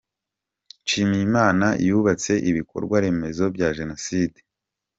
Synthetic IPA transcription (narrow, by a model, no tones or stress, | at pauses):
nʃiːmijimaːna̰juβat͡se̞ʔiβikʰo̞̰ɾɡwaɾe̞me̞zo̞bjaʒe̞no̞side